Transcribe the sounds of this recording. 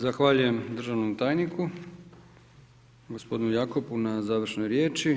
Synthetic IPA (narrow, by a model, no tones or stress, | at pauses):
zaxʋaːʎuje̞md̪r̩ʒaʋnomt̪aːjniku | ɡospo̞d̪inujaːko̞punazaːʋr̩ʃnojɾje̞ːt͡ʃi